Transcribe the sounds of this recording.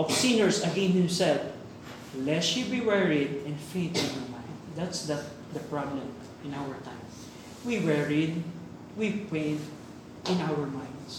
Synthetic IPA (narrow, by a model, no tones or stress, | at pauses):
ʔɔfsĩnɛɹsɐɡɛ̃nhɪ̃msɛd̪̚ | lɛtʃibiwɛɹɪd̪̚ɛ̃nfẽɪ̃nt̪ɪ̃njɔɹmãɪ̃nd̪d̪at̪sd̪ɐ | d̪ɐpɹɑblɛ̃m | ɪ̃nawəɹt̪ãɪ̃m | wiwɛɹɪd̪̚ | wipẽnt̪ | ʔɪ̃nawəɹmãj̃nd̪s